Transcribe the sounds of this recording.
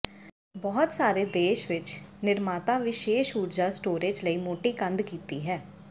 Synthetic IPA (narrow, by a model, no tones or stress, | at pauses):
bɔːt̪saːɾeːd̪eːʃʋɪt͡ʃnɪɾmaːt̪aːʋɪʃeːʃuːʈd͡ʒaːsʈoːɾeːd͡ʒləiːmoːʈiːkənd̪kiːt̪iːɦɛː